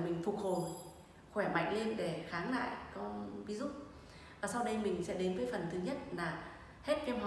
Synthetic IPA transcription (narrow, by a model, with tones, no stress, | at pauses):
mï˨˩ŋ̟fu˨˩k̚ho˨˩j | xwɛː˧˩ma̰˧˨jŋ̟le˧nɗe˧˩xaː˨˦ŋla̰ː˧˨jkɔ˨˦vi˨˦zʊ̰˧˥ | vaː˨˩sa˧wɗə˧jmï˨˩ŋ̟sɛ̰˧˥ɗe˨˦nvəː˨˦jfə˨˩nt̪ʰɨ˨˦ɲə˦˥t̚laː˨˩ | he˦˥t̚kɛ˧mɦa˨˩